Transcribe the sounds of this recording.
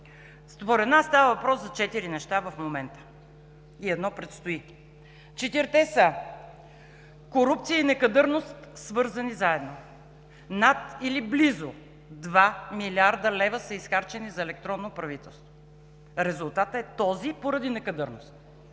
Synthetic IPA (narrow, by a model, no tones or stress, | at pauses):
spoɾɛd̪nasːt̪avəvɐpɾɔszɐt͡ʃɛt̪iɾinɛʃt̪avɐfmomɛnt̪ə̥ | iɛd̪nɔpɾɛt̪st̪oi | t͡ʃɛt̪iɾt̪ɛsə | koɾup̚t̪siəinɛkɐd̪ɤɾnost̪svɤɾzɐnizaɛd̪no | nat̪iliblizo | d̪vamilʲiaɾd̪əlɛvəsəisxaɾt͡ʃɛnizɐɛlɛk̚t̪ɾɔnːopɾɐvit̪ɛlˠst̪vo | ɾɛzulˠt̪at̪əɛt̪ɔzipoɾɐd̪inɛkɐd̪ɤɾno̰st̪